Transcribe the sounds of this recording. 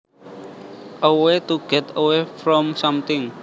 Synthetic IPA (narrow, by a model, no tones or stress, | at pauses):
ʔəwet̪uɡ̥ɛt̪əwefɾɔmsʌmt̪ɪŋ